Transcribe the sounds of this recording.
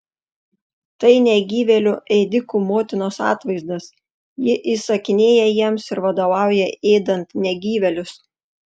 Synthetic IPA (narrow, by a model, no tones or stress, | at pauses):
t̪ɐɪnʲɛɡʲiːʋʲɛlʲʊʔɛːd̪ʲɪkuːmoːt̪ʲɪnoːsɑ̰ːt̪ʋɐɪzd̪ɐs | jɪʔiːsɐkʲɪnʲeːjɛjiɛmsɪɾʋɐd̪oːʋɑˑʊjɛeːd̪ɐnt̪nʲɛɡʲiːʋʲɛlʲʊs